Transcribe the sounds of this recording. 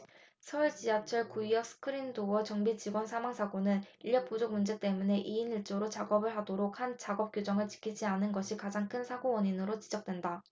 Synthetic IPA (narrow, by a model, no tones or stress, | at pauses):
sʰʌuɭt͡ɕiat͡ɕʰʌɭkuiʌs͈ʰɯ̥kʰɯɾindowʌt͡ɕʌŋbit͡ɕiɡwʌnsʰamaŋsʰaɡonɯniʎːjʌp̚p͈od͡ʑok̚mund͡ʑe̞k̚t͈e̞mune̞ʔiiniɭt͡ɕ͈oɾot͡ɕaɡʌbɯɭɦadoɾok̚hant͡ɕaɡʌp̚k͈jod͡ʑʌŋɯɭt͡ɕi̥kʰid͡ʑianɯnɡʌɕʰikad͡ʑaŋkʰɯnsʰaɡowʌɲinɯɾot͡ɕid͡ʑʌk̚t͈we̞nda